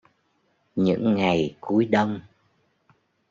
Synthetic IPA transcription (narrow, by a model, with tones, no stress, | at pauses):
ɲɨ̰˧˥ŋːa˨˩jku˨˦jɗə˧wŋ͡m